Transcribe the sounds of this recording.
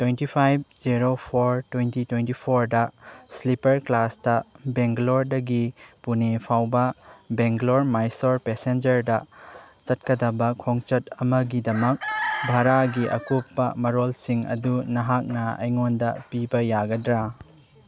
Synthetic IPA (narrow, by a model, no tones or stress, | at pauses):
twentipʰajb̚ziɾopʰoɾtwejntitwentipʰoɾdɐslipɐɾklastɐbeŋɡloɾdɐɡipunepʰawbɐbeŋɡloɾmajsoɾpesend͡ʒɐɾdɐt͡ʃɐt̚kɐdɐbɐkʰoŋt͡ʃɐtɐmɐɡidɐmɐk̚bʱaɾaɡiʔɐ̰kupːɐmɐɾolsiŋɐ̰dunɐɦak̚nɐɐ̰jŋondɐpibɐjaɡɐdɾa